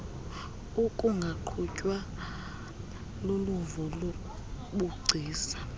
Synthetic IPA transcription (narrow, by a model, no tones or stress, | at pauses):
ukʼuŋɡʱaǃʰucʼwa | loluvɔlokʼu | ɓuɡ͡ǀʱiːsḁ